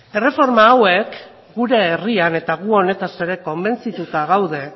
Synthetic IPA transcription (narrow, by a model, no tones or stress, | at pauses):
e̞re̞fo̞ɾmaːwe̞k | ɡuɾe̞ːriane̞t̪aɣuo̞ne̞t̪ase̞ɾe̞ko̞mbe̞nt͡sit̪ut̪aɣ̞awð̞e̞